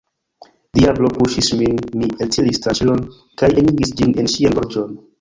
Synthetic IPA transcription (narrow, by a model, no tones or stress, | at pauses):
diablopuʃisminmieltʰilistat͡ʃilon | kajeniɡisd͡ʒinenʃianɡoɾd͡ʒon